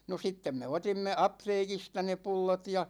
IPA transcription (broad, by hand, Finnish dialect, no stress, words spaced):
no sitːem me otimːe ɑpteːkistɑ ne pulːot jɑ